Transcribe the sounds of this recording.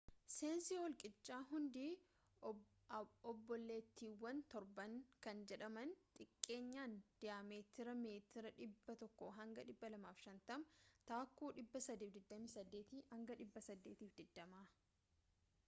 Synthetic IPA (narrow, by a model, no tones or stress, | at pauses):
se̞ːnsihɔlkʼɪt͡ʃːaːɦʊnd̪iː | ɔbːɔlːe̞ːt̪ːiːwːɐnt̪ɔɾbɐŋkɐnd͡ʒɛᶑɐmɐnt̪ʼɪkʼːe̞ːɲːaːnd̪̥ɪjaːmeːt̪ɪɾɐme̞ːt̪ɪɾɐᶑɪbːɐt̪ɔkːɔɦɐŋɡɐᶑɪbːɐlɐmaːfʃɐnt̪ɐmt̪aːkːuːᶑɪbːɐsɐd̪iːfd̪ɪd̪ːɐmɪsɐd̪ːe̞ːt̪ihɐŋɡɐᶑɪbːɐsɐd̪ːe̞ːt̪iːfd̪ɪd̪ːɐmaː